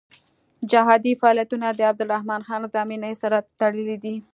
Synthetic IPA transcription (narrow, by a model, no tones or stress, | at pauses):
d͡ʒaɦɑd̪ifaɑlijat̪unad̪əab̚d̪ʊlɾahmɑnxɑnzɑminəsaɾat̪aɽəlid̪i